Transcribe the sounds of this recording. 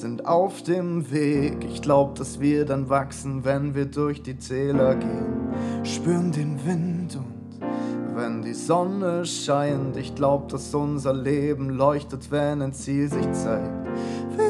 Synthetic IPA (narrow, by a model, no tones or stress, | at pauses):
z̥ɪntʔaʊfd̥eːmveːkɪçɡ̥laʊbəd̥asv̥iːɐdanvaksn̩vɛnviːɐdʊɐçd̥iːt͡sɛːlɐɡeːənʃpyːʁəndeːnvɪntʊntvɛndiːzɔnəʃaɪntɪçɡ̥laʊbəd̥asʔʊnzɐleːbm̩lɔʏçtətv̥ɛnaɪnt͡siːlzɪçt͡saɪk̚tvi